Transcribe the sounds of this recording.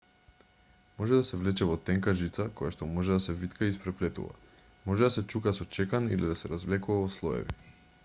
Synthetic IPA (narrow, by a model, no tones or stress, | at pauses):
mɔʒɛd̪asɛvlɛt͡ʃɛvɔt̪ɛŋkaʒit̪sakojaʃt̪ɔmɔʒɛd̪asɛvit̪kaispɾɛplɛt̪ṵva̰ | mɔʒɛd̪asɛt͡ʃukasɔt͡ʃɛkanḭlid̪asɛɾazvlɛkuvavɔslˠɔɛ̰vḭ